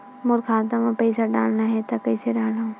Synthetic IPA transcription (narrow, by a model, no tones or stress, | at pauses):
mʊɾkʰaːt̪amãpɐɪsaɖa̰ːlnaɦɛt̪ɐkɐɪseɖaːlã